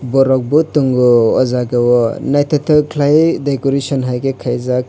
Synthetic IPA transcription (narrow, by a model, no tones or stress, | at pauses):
bɔɾɔk̚bɯtuŋɡɔɔzaɡawɔnajtʰatʰɯkʰlajdekɔɾesɔnɦajɡekʰajzak̚